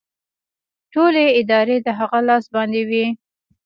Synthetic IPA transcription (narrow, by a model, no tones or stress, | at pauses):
ʈoleɪd̪ɑɾed̪əɦaɣalɑsbɑnd̪ewi